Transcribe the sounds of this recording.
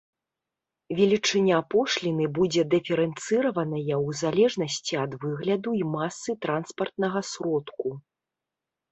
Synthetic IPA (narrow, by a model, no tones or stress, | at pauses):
vʲɛlʲit͡ʂɨnʲaapɔʂlʲinɨbud͡zʲɛd̪ɨfʲɛɾɛnt̪sɨɾɐvɐnɐjɐzalʲɛʐnɐsʲt͡sʲiɐd̪vɨɣlʲɐd̪uimasːɨt̪ɾanspɐrt̪̚nɐɣɐsɾɔt̪ku